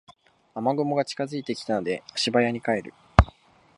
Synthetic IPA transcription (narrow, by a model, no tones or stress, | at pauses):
amaɡo̞mo̞ɡat͡ɕi̥kazɨit̪e̞kʲi̥t̪ano̞d̪e̞aɕibajaɲ̟ikae̞ɾɯ̟